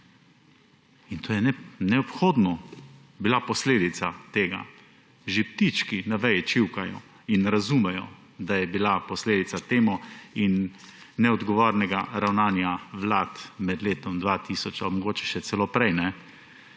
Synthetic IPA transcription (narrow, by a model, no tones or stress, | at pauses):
int̪ʰoːjɛnɛnɛɔpxoːd̪nɔ | bilapɔsleːd̪it̪sat̪eːɡa̰ | ʒip̚t̪it͡ʃkinaʋɛjɛt͡ʃiwkajɔ̰ | inɾazumɛjɔ | d̪ajɛbilapɔsleːd̪it̪sat̪eːmuinːɛɔd̪ɡɔʋoːɾnɛɡaɾawnaːnjaʋlaːt̪mɛd̪leːt̪ɔmd̪ʋat̪iːsɔt͡ʃamɔɡoːt͡ʃɛ̥ʃɛt̪sɛloːpɾɛjnɛ